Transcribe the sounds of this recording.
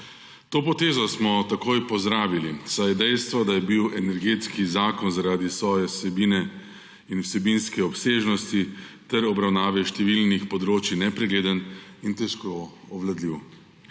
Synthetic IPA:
t̪oːpɔt̪eːzɔsmɔt̪akoːjpɔzd̪ɾaːʋilisajɛd̪ɛjst̪ʋad̪ajɛbiwɛnɛɾɡeːt̪skizaːkɔnzaɾaːd̪isʋɔːjɛsɛbiːnɛ | inwsɛbinskɛɔpseːʒnɔst̪it̪ɛɾɔbɾawnaːʋɛʃt̪ɛʋilnixpɔd̪ɾoːt͡ʃinɛpɾɛɡleːd̪ənint̪ɛʃkɔɔʋlad̪liw

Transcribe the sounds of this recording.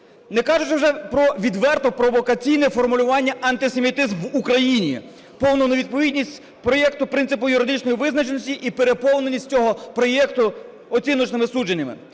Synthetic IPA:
nɛkɑʒʊt͡ʃɪwʒɛpɾɔʋʲid̪ʋɛrt̪ɔpɾɔʋɔkɐt͡sʲijnɛfɔrmʊlʲʊʋɑnʲːɐʔɐnt̪ɪse̞mʲit̪ɪzmʋukɾɐjinʲḭ | pɔwnʊnɐʋʲid̪̚pɔʋʲidʲnʲisʲtʲ | pɾɔjɛkt̪ʊpɾɪnt̪ɪpʊjʊɾɪd̪ɪt͡ʃnɔjiʋɪznɐt͡ʃenɔsʲtʲiʔipeɾepɔwnenʲːisʲt̚ʲt͡sʲɔɦɔpɾɔjɛkt̪ʊ | ɔt͡sʲinɔt͡ʃnɪmɪsud͡ʒenʲːɐmɪ̰

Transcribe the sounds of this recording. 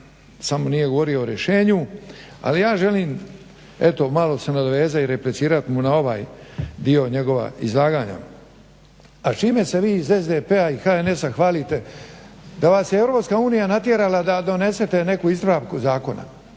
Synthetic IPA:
samo̞nije̞ɡoʋo̞ɾio̞oɾjeʃe̞ːɲu | a̰lijaːʒe̞liːm | e̞t̪o̞malˠo̞senad̪oʋe̞ːzaiɾe̞plesiːɾat̪imunao̞ʋaːjd̪io̞ɲe̞ɡo̞ʋa̰ḭzlˠaːɡaːɲa̰ | at͡ʃiːme̞se̞ʋiːzezd̪epeaixaene̞saxʋaːlit̪e̞ | d̪aʋaːsjeevɾo̞pskauːnijanat̪je̞ɾalad̪ad̪o̞ne̞se̞t̪e̞ne̞kuizɾaːʋkuzaːko̞na̰

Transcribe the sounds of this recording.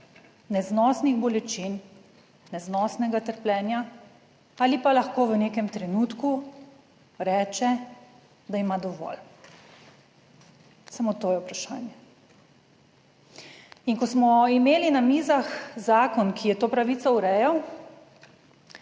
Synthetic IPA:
nɛznɔsniɣbɔlɛt͡ʃinː | ɛznɔːsnɛɡat̪əɾplɛːnja | aːlipalaxkoːʋənekɛmt̪ɾɛnuːt̪ku | ɾɛːt͡ʃɛ | d̪aimad̪ɔʋɔ̰l | samot̪oːjɛupɾaʃa̰ːnjɛ | inkɔsmɔimeːlinamiːzaxzaːkɔnkʰijɛt̪oːpɾaʋiːt̪sɔuɾɛːjɛw

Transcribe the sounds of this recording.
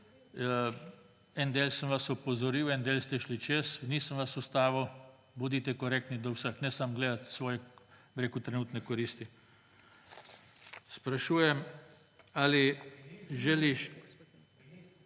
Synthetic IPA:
ɛnd̪eːlsəmʋasɔpɔzɔɾiːwɛnd̪eːlst̪ɛʃlit͡ʃesniːsəmʋasust̪aːʋɐw | bud̪it̪ɛkɔɾek̚t̪nid̪ɔwsəxnɛsamɡleːd̪at̪sʋɔːjɛbɾeːkut̪ɾɛnuːt̪nɛkɔɾiːst̪i | spɾaʃuːjɛm | ali | ʒɛliʃ

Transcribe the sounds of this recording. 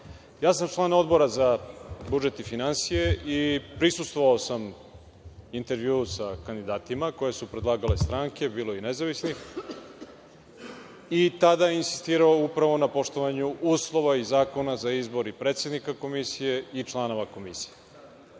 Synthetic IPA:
jaːs̬amt͡ʃlˠaːno̞d̪bo̞ɾazabud͡ʒet̪ifinansije̞ʔipɾisust̪voʋaosam | int̪e̞ɾʋjusakand̪id̪aːt̪imako̞je̞supɾe̞d̪laːɡale̞st̪ɾaŋke̞biːlˠo̞inezaʋisnix | it̪ad̪ainsi̥st̪iːɾaoupɾaʋo̞napo̞ʃt̪o̞ʋaɲuʔuːslˠoʋaizaːko̞nazaizbo̞ɾipɾeːt̪sje̞d̪nikako̞misije̞it͡ʃlˠano̞ʋako̞misi̥je

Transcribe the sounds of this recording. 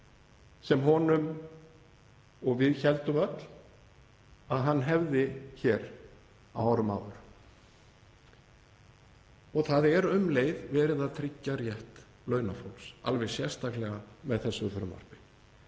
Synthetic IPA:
sɛmɦɔnʏm | ɔɣvɪðçɛlt̪ʏmœt̪l̥ | aðɦanːɦɛvðɪçɛːɾ | a̰waɾʏma̰ːwðʏɾ | ɔɣθaðɛɾʏmleːjðvɛːɾɪðat̪ʰɾicːaɾjɛht̪ | lœːɥnafowlsa̰lvɛɣsjɛr̥st̪ʰaklɛɣamɛðθɛsːʏθʏɾʏmːa̰r̥pɪ

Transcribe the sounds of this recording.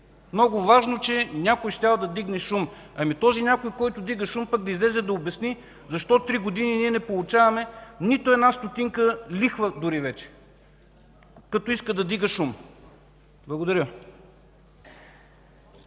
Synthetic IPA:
mnɔɡʊvaʒnot͡ʃɛnʲakojʃt̪ʲavɐd̪ɐd̪iɡnɛʃum | ɐmit̪ɔzinʲakojkɔjt̪ʊd̪iɡəʃumpək̚d̪ɐizlɛzɛd̪ɐobɛsni | zɐʃt̪ɔt̪t̪ɾiɡod̪ininiɛnɛpolˠʊt͡ʃavɐmɛnit̪oɛd̪nast̪ot̪iŋkəlixvəd̪ʊɾivɛt͡ʃɛ̥ | kɐt̪ɔiskəd̪ɐd̪iɡəʃum | blˠɐɡʊd̪ɐɾʲə

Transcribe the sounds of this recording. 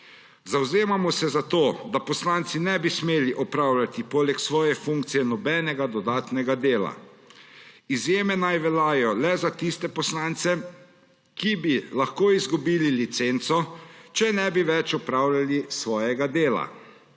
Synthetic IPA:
zawzeːmamɔsɛzat̪oːd̪apɔslant̪sinɛbismeːliʔɔpɾaːwlʲat̪ipɔːlɛksʋɔːjɛfuŋk̚t̪sijɛnɔbɛnɛɡad̪ɔd̪aːt̪nɛɡad̪eːla̰ | izjeːmɛnajʋɛlajɔlɛzat̪ist̪ɛpɔslaːnt̪sɛ | kibilaxkoːizɡubiːlilit̪sent̪sɔt͡ʃɛnɛbiʋɛt͡ʃɔpɾawlʲalisʋɔːjɛɡad̪eːla̰

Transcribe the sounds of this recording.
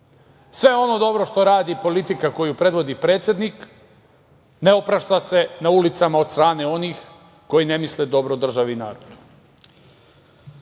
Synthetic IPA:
sʋe̞o̞no̞d̪o̞bɾo̞ʃt̪o̞ɾaːd̪ipo̞lit̪ikako̞jupɾe̞d̪ʋo̞d̪ipɾe̞ːt̪sʲje̞d̪nik | neopɾaʃt̪ase̞naulit̪samaost̪ɾaːne̞o̞nix | ko̞jine̞misled̪o̞bɾod̪r̩ʒaʋiːnaːɾod̪̥u̥

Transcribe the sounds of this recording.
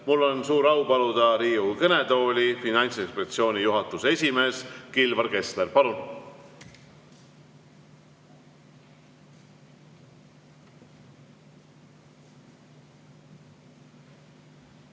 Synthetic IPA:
mulːo̞nsuːɾɑwpɑlud̪ɑɾiːukɤne̞d̪o̞ːlʲifinɑjnʲt̪se̞kspet̪sio̞ːnʲijuɦɑt̪ːˑusesʲime̞ːskilvɑrke̞sleɾpɑlun

